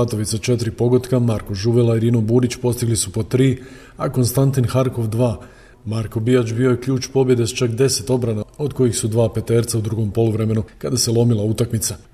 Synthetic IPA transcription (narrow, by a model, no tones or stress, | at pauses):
at̪o̞ʋit̪sat͡ʃe̞t̪ɾipo̞ɡo̞t̪kamaɾko̞ʒuʋelaiɾiːno̞buːɾit͡ɕpo̞st̪iɡlisupo̞t̪ɾiː | ako̞nst̪ant̪inxaɾko̞ʋd̪ʋaː | maɾko̞bijat͡ʃbio̞je̞kʎuːt͡ʃpo̞bje̞d̪est͡ʃakd̪e̞se̞t̪o̞bɾanao̞d̪ko̞jixsud̪ʋaːpe̞t̪e̞ːɾt̪saud̪ɾuɡo̞mpo̞luʋɾe̞me̞nukad̪aselˠo̞milˠaut̪akmit̪sa